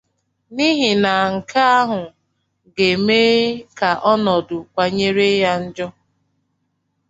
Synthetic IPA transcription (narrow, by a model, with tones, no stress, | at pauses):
ni˦ɦi˨na˨ŋ̩˨ka˦a˦ɦʊ˨ | ɡe˨meː˦ka˨ʔɔ˦nɔ˨dʊ˨kʷa˨ɲe˦ɾe˦ja˦n̩˦d͡ʒɔ˦